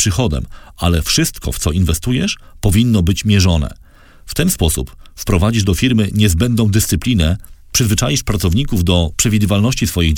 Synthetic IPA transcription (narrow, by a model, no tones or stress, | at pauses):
ʂɘxɔd̪ɛ̰malɛfʂɘst̪kɔ̰ft̪sɔinvɛst̪ujɛʂpɔvʲinːɔbɘt͡ɕmʲjɛʐɔnɛ̰ | ft̪ɛnspɔsṵpfpɾɔvad͡ʑiʐd̪ɔfʲiɾmɘɲɛzbɛnd̪ɔ̃w̃d̪ɘst̪sɘplʲinɛpʂɘzvɘt͡ʂajiʂpɾat̪sɔvɲikuvd̪ɔpʂɛvʲid̪ɘvalnɔɕt͡ɕisfɔjiɣ